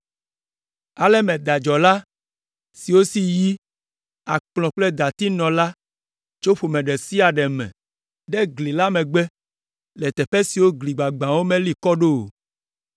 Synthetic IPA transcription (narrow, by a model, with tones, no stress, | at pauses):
a˨lɛ˦mɛ̃˨d̪a˨d͡ʒɔ˨la˦ | si˨wo˦si˦ji˦ | a˨k͡plɔ̃˨k͡plɛ˦d̪a˨t̪i˦nɔ̃˨la˦ | t͡ʃo˦ɸo˨mɛ̃˨ɖɛ˨si˦a˨ɖɛ˨mɛ̰̃˨ | ɖɛ˦ɡli˨la˦mɛ̃˨ɡ͡bɛ˦ | lɛ˨t̪ɛ˨ɸɛ˦si˨wo˦ɡli˨ɡ͡ba˨ɡ͡bã˨wo˦mɛ̃˦li˨kɔ˦ɖo˦˨